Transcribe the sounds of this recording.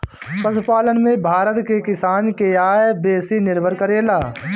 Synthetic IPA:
pəspaːlənmẽbʱaːɾət̪kekɪsaːnkeaːebeːsinɪɾbʱəɾkəɾeːlaː

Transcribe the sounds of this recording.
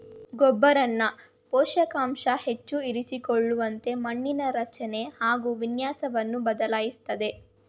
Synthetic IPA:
ɡɔbːɐɾɐnːɐ | pɔːʃɐkaːmʂɐhe̞t͡ʃːuiɾisikoɭːuʋɐnt̪e̞mɐɳːinɐɾɐt͡ʃɐne̞haːɡuːʋinjaːsɐʋɐnːubɐd̪ɐlaːjist̪ɐd̪e̞

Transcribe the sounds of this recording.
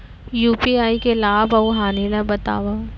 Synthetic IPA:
juːpiaːikelaːbɐuɦaːnilabɐt̪a̰ːʋa

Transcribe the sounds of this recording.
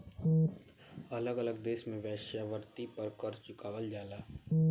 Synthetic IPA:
ɐləɡələɡ̚d̪eːʃmẽʋɛːʃaʋəɾt̪ipɐɾkɐɾt͡ʃʊkaːʋəld͡ʒaːlaː

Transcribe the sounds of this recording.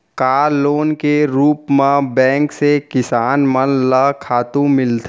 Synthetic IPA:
kaːɾloːnkeɾuːpmãbɛ̃ːŋksekɪsaːnmənləkʰaːt̪ũmɪlt̪ʰ

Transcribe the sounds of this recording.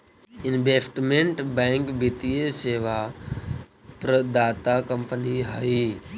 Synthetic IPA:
ɪnʋeːsʈmẽɳʈbɛ̃ːŋkbit̪ieseːʋa | pɾəd̪aːt̪akɐ̃mpəniɦaːiː

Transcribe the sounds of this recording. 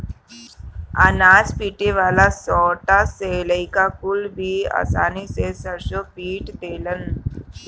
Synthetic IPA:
a̰nad͡zpiːʈeʋalasɔʈaseləjkakulbʱia̰sa̰nisesəɾɕɔpiːʈd̪elən

